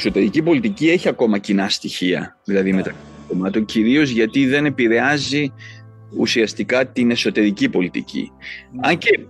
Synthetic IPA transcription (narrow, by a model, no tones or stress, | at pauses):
so̞t̪e̞ɾicipo̞lit̪icie̞çiɐko̞mɐcinɐst̪içiɐ̰ðilɐðime̞t̪ɐksi | tomɐt̪o̞ɲciɾio̞zʝɐt̪iðe̞ne̞piɾe̞ɐzi | ṵsiɐst̪ikɐt̪ine̞so̞t̪e̞ɾicipo̞lit̪ḭcḭɐɲce̞